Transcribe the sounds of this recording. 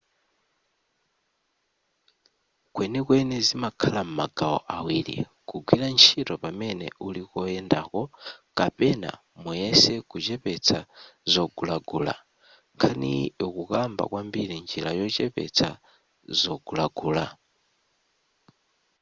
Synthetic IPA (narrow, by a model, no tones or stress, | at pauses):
kwɛnikwɛnɛzimakʰalam̩maɡ̥aɔ̰ʔawiːɾḭkuɡwiɾant͡ʃʰitɔpamɛnɛ̰ulikɔɛndakɔkapɛna̰ | mujɛsɛkut͡ʃɛpɛt͡sʰazɔɡulaɡuːla̰ | ŋkʰanḭjɔkukamba̰kwambiɾind͡ʒilajɔt͡ʃɛpɛ̰t͡sʰa | zɔɡulaɡuːla